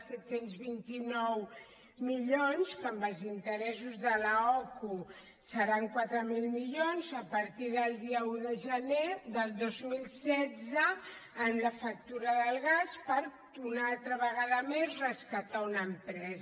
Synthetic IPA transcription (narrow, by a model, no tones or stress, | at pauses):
sɛt̪senzβint̪inɔw | miʎonskəmbəlˠzint̪əɾɛsuzðələɔku | səɾaŋkwat̪ɾəmilˠmiʎonzəpəɾt̪iðəlˠd̪iəuðəʒəneðəlˠd̪ozmilˠsɛdd͡zəː | nləfək̚t̪uɾəðəlˠɣaspəɾ | unalˠt̪ɾəβəɣ̞aðəmezrəskət̪aunəmpɾɛz